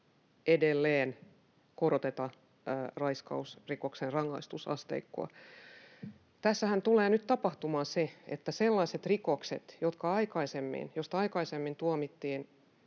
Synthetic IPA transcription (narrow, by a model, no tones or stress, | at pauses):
edelːeːn | koɾot̪et̪ɑː | rɑiskɑ̰usrikoksenrɑŋːɑ̰ist̪usɑ̰st̪ḛikːo̰ɑ̰ | t̪æsːæhænt̪uleːnyt̪t̪ɑpɑht̪umɑːnseḛt̪ːæselːɑiset̪rikoksḛt̪jot̪kɑɑikɑisemːḭnjost̪ɑikɑisemːint̪uɑmit̪ːiːn